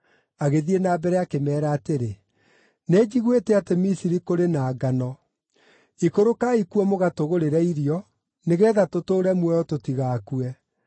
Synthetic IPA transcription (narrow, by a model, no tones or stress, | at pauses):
aɣeðienaːbɛɾɛakemɛːɾaːteɾe | ned͡ʑiɣwetɛatemisiɾikoɾenaːɡanɔ | ikoɾokaikuɛmoɣatoɣoɾeɾɛiɾjɔ | neɣɛːðatotoːɾɛmwɛɔtotiɣaːkuɛ